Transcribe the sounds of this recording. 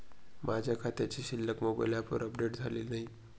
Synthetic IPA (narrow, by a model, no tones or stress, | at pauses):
mʔad͡ʑʱjakʰat̪jat͡ɕiɕilːəkmobə̰jlapə̰ɾəpɖeʈd͡zʱalilnaɦi